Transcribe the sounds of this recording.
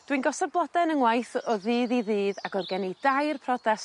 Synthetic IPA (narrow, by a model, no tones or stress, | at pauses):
d̥winɡɔsɔdblˠɔdɛnəŋwajθɔðɨːðiðɨːðaɡɔrɡɛnijd̥ajrpʰrɔdɛs